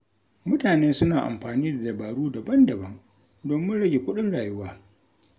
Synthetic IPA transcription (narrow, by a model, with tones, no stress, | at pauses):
mʊ˦taː˨neː˦sʊ˦naː˨ʔa̰˨mɸaː˨niː˦da˨dɐ˨baː˨ɽuː˦dɐ˨bɐ˦ndɐ˨bɐ˦ŋ | doː˨mːɪ˦nɽɐ˦ɡʲe˨kʷʊ˦ɗɪ˦nɽaː˨jʊ˦waː˦